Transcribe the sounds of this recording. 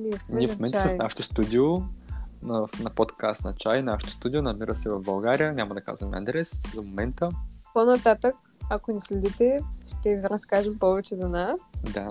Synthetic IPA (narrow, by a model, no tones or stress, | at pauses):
niɛsmniɛfmomɛntsmɛfnaʃɛ̥t̪o̥st̪ud̪ʲio | fnɐpot̪kast̪nɐt͡ʃajnaʃɛ̥t̪ʊ̥st̪ud̪ionɐmiɾəsɛvɐvbɐlˠɡaɾijənʲamɐd̪ɐka̰zvɐmʲia̰nd̪ɾɛsd̪omomɛnt̪əponɐt̪at̪ək | ɐkonislɛd̪it̪ɛʃt̪ɛviɾɐskaʒɛmpɔvɛt͡ʃɛzɐnasd̪a